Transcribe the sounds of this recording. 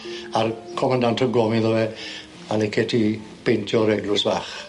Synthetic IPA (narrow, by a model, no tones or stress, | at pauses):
arkʰɔmandantʰɔɡlɔmiðɔwɛ | alɛkʰɛtʰi | pentʰjɔɾɛɡlʊsbaːχ